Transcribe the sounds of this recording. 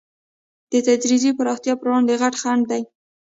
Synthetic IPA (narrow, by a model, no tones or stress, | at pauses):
d̪̥ət̪ad͡ʒɾizipəɾɑxt̪jɑpəɾwɑnd̪eɣaʈxaɳɖ̚d̪aj